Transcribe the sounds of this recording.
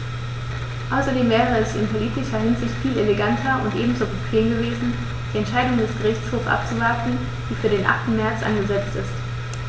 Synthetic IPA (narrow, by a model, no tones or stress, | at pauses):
ʔaʊsɐdeːmvɛːʁ̞əɛsɪ̰npʰoliːtɪʃɐhɪnzɪçtfiːleleɡantʰɐʔʊ̰ntʔeːbm̩zoːpʁopʰleːmɡəveːzn̩ | d̥iːɛntʃaɪdʊŋdɛsɡ̥əʁɪçt͡shoːfsʔa̰p̚t͡suvaɐtn̩ | d̥iːfyːɐdeːnʔa̰χtn̩mɛɐt͡sʔa̰nɡəzɛt͡stɪ̰st